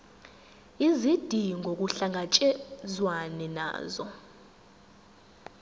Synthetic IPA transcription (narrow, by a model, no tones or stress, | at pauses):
izid̥ʱiŋɡok̬uɬaŋat͡ʃʼɛzwanɛna̰ːzɔ̰